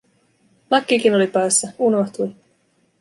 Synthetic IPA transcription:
lɑkːik̟ino̞lipɑjsːɑunoht̪uj

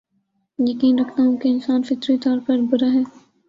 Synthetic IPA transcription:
jɐkiːnɾɐkʰt̪aɦũkeɪnsaːnfɪt̪ɾit̪ɔːɾpɐɾbʊɾaɦɛː

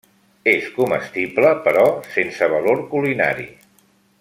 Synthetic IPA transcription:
eskuməst̪ibləpəɾɔsensəβəloɾkulina̰ɾḭ

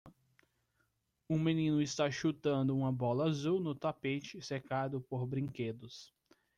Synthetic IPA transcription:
ũmenĩnʊɪst̪aʃut̪ɐ̃nd̪ʊũmɐbɔlɐazuwnʊt̪apet͡ʃɪsekad̪ʊpoɾbɾĩked̪ʊs

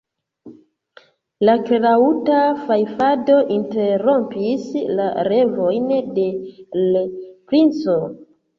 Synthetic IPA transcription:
lakɾautafajfado̞ʔinte̞ɾo̞mpislaɾe̞vo̞jnde̞lepɾint͡so̞

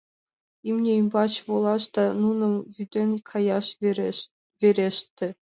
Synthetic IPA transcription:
imnʲeimʲbɑt͡ɕvolˠɑst̪ɑnunɤ̆mvyd̪ʲenʲkʰɑjɑʃ | vʲeɾʲest̪ʲːɘ̆

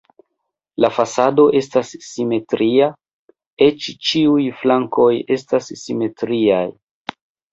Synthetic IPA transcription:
lafasado̞ʔe̞stasːime̞tɾʔia | e̞t͡ʃt͡ʃiujflaŋko̞je̞stasːime̞tɾiaj

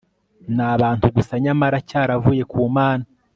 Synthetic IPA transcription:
naβaːntuɡusaɲamaɾacaːɾavuːje̞kuːmaːna

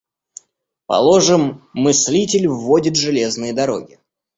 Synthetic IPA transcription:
pɐ̰lˠo̞ʐɨmːɨsʲlʲitʲɪlʲvːodʲɪt̪ʐɨlʲe̞znɨjəd̪ɐɾo̞̰ɡʲɪ

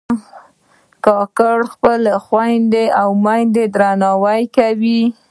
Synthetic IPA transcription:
kɑkaɽxpəlxwajnd̪eawmajnd̪ed̪ɾanɑwajkawi

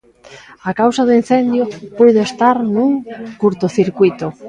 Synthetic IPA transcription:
akawsaðʊin̟θend̪jopujðoest̪aɾnuŋkuɾt̪ʊθiɾkwit̪ʊ

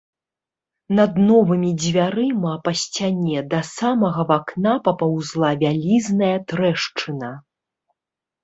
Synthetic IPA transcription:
nɐd̪nɔvɨmʲid͡zʲvʲaɾɨmapɐsʲt͡sʲanʲɛd̪ɐsamɐɣɐvaknapɐpawzlˠavʲalʲiznɐjɐt̪ɾɛʂt͡ʂɨnɐ

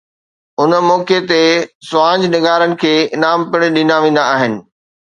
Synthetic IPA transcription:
ʊn̆mɔːket̪esʊãːɲd͡ʑnɪɡaːɾənɪ̆kʰeːnaːmpɪɽ̃ɗĩːnd̪aʋẽːnd̪aaːɦɪnɪ̆

